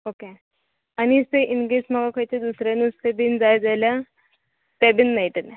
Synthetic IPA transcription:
oke | aniseʔinɡesmaɡakʰəjt̪ed̪usɾanuːsebind͡zajd͡zalja | sɛbinːajʈən

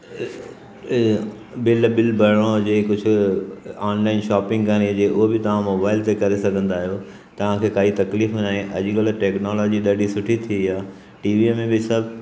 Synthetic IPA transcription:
bɪlbɪlbʱɐɽ̃õd͡ʑeːkʊd͡ʑʱʊ̆ | ɔːnlaːɪnʃaːpɪ̃ŋɡkɐñid͡ʑeːʔʊɦobɪt̪ɐʋ̤ãmoːbaːɪlt̪ekɐɾesɐɡʱə̃nd̪aːɦijo | t̪ɐʋ̤ãkʰeːkaːit̪ɐkliːfnaːɦẽʔɐ̰ʄɪɡəlʈeːknɔːlɔːd͡ʑiɗɐɖʱisʊʈʰit̪ʰiiaː | ʈiːʋimẽbɪsɐb

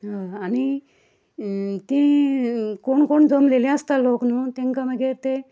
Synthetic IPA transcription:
ɦaani | t̪ĩ | koɳkoɳd͡zʱomlelẽast̪aloknut̪ẽŋkamaɡeɾt̪e

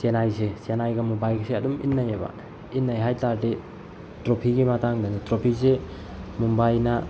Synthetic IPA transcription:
senajsesenajɡɐmubajɡseɐdumḭnːajeba̰ | inːajɦajtaɾde | tɾopʰiɡimatʰaŋdanitɾopʰis̬e | mumbajna

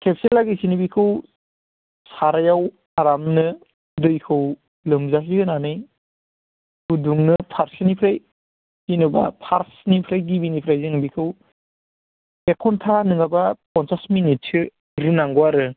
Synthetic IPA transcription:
kʰep̚selaɡisinɯbikʰɯw | saɾajaw | aɾamnɯ | dɯjkʰɯw | lɯmzas̬ihɯnanɯj | huduŋnɯpʰaɾsɯnipʰɾaj | ɡinɯba̰pʰaɾsnipʰɾajɡibinipʰɾajzɯŋbikʰɯw | ekʰɔntʰanɯŋabapɔnsasminit̚sʰɯ | ɾɯnaŋɡwaɾɯ

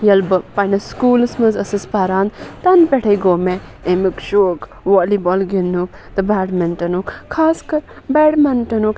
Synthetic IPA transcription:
jɐlbɐpɐnɐskuːlsmɐzɐsɨspaːɾaːnt̪ɐnpeʈʰɐjɡoːme | emikʃoːk | ʋoːlibɔlɡinːuk̚ | d̪ɐbaːɽmɐnʈɐnukʰːaːskɐɾ | beːɖmɐnʈɐnuk

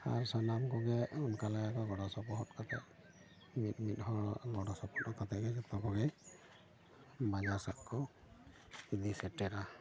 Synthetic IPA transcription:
a̰ɹsanamkɔɡɛɔnkalaakɔɡɔdasɔpɔɦɔt̚kata̰ | mitmit̚hɔɡɔdasɔpɔtɔkatɛɡɛkɛtɔkɔɡɛ | mad͡ʒasaʔkɔ | id̪isɛtɛɾa

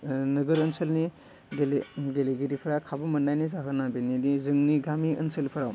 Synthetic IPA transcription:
nɐɡəɾɐnsəlni | ɡeleɡeleɡiɾipʰɾakʰabɐmɐnːajnizaɦɯnabeninizɯŋniɡamiɐ̰nsəlpʰɐɾaw

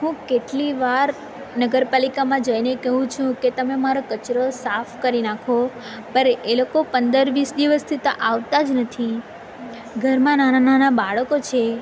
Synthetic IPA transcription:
ɦũkeʈliʋaɾ | nəɡəɾpalikamãd͡ʒəjnekəɦũt͡ʃʰũket̪əmemaɾokət͡ʃɾosafkəɾinakʰo | pəɾeʔelokopənd̪əɾʋisd̪iʋəst̪ʰit̪oʔaʋt̪ad͡ʒnət̪ʰi | ɡʱəɾmãnanananabaɭəkot͡ʃʰe

